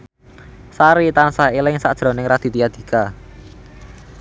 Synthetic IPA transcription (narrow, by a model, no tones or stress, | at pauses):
saɾit̪ansaelɪŋsad̥ʒ̥ɾo̤nɪŋɾad̪̥i̤t̪ijad̪̥i̤ka